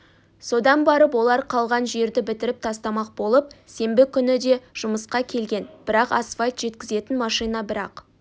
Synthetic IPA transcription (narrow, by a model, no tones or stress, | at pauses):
so̞d̪ɑnbɑɾəpwo̞lˠɑɾqʰɑlˠʁɑnʒe̞ɾd̪ɪbɪt̪ɪɾɪp̚t̪ʰɑst̪ɑmɑq̚bo̞lˠəp̚se̞mbɪkʲʰʏnɪd̪e̞ʒ̥ʊməsqɑkʲʰe̞lɡʲe̞nb̥ɪɾɑqɑ̰sfalt̪ʒ̥e̞t̪kʲɪze̞t̪ɪnmɑʃɨjnɑbɪɾɑ̰q